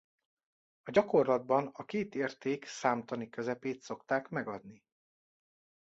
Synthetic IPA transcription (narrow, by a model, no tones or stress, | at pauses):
ɒɟɒko̞rlɒd̪̚bɒnɒkeːt̪eːrt̪eːksaːmt̪ɒnikø̞zɛpeːt̪so̞kt̪aːkmɛɡɒd̪ni